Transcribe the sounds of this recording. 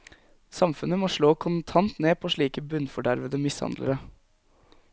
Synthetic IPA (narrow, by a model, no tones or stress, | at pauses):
sɑmfʉnəmɔʂɭoːkʰʊnt̪ʰɑnt̪neːpʰoʂɭiːkəbʉnfɔɖæɾʋəd̪əmɪshɑ̰nd̪lə̰ɾə